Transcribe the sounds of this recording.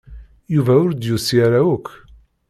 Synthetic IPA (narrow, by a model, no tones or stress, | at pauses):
juvæʊɾd̪jusiɾæukː